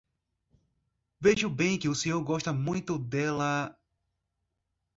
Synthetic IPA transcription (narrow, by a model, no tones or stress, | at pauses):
veʒʊbẽj̃kɪʊsẽɲoɾɡɔʃt̪ɐmũj̃t̪ʊd̪ɛlɐ